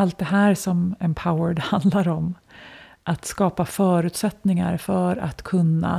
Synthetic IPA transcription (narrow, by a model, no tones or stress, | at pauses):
alt̪̚d̪ɛɦæːɾsɔmɛmpʰaʊəɖhand̪laɾɔm | ʔat̪skɑːpafœːɾʉ̟ːt̪sɛt̪nɪŋa̰ɾfœɾa̰t̪kʰɵnːa̰